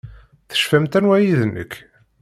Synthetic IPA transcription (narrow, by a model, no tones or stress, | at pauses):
θə̥ʃfæmt̪ænwæjiðnːə̰kː